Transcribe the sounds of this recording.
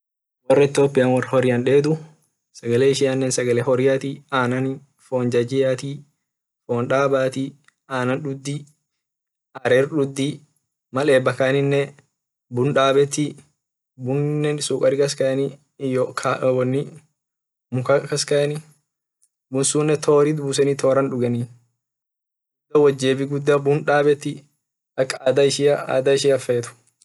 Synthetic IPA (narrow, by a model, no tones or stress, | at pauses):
wɔrːɛt̪ːoːpːɪjɐnwɔrːhɔɾɪɐnᶑeːd̪ʊ | sɐɡɐleːɪʃɪɐnːɛnsɐɡɐlɛhɔɾɪjat̪iaːnɐnɪ | foːnd͡ʒɐd͡ʒɪjat̪i | foːnᶑaːbaːt̪i | aːnɐnɗʊd̪ːi | ʔaːɾɛɾɗʊd̪ːi | mɐleːbɐkɐnɪnːɛ | bʊnᶑaːbɛt̪ːi | bʊnnːɛnsuːkʼɐɾɪkɐskɐjɐni | jɔkʰawɔnːɪ | mʊkɐkɐskɐjɐnɪ | bʊnsuːnːɛt̪ʰoːɾid̪bus̬ɛniːt̪oːɾɐnᶑʊɡɐni | ʊd̪ɐwɐd͡ʒːeːbɪɡʊd̪ːɐbʊnᶑaːbɛt̪ːɪ | ɐkʼːaːd̪ɐɪʃiaːd̪aɪʃiːɐfeːt̪ʊ̥